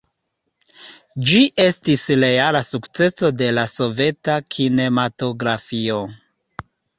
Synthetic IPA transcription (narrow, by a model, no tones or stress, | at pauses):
d͡ʒiʔe̞stisle̞alasukt͡se̞so̞de̞laso̞ve̞takʰine̞mato̞ɡɾafio̞